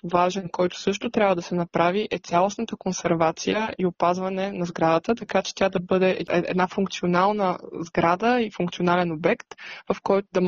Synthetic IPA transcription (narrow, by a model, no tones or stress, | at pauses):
vaʒɛnkɔjt̪ʊ̥sɤʃt̪ot̪ɾʲabvəd̪ɐsɛnɐpɾaviʔɛt̪sʲjalˠosnət̪əkonsɛɾvat̪sijəiopazvɐnɛnɐzɡɾad̪ət̪ət̪ɐkat͡ʃɛ̥t̪ʲjad̪ɐbɤd̪ɛɛɛ̰d̪nafuŋk̚t̪sionalˠnəzɡɾad̪əifuŋkt̪sionalɛnobɛkt̪vɐfkɔjt̪ʊd̪ɐm